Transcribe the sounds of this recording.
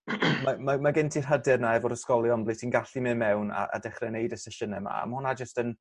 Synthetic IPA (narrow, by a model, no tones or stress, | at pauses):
mamamaɡɪntʰirɦədɛrnaɛvɔdəskɔlˠjɔnblˠitʰiːnɡaɬimɨmɛwna̰ʔa̰dɛχrɛnejdəsɛʃənɛma̰a̰mʊnad͡ʒəstən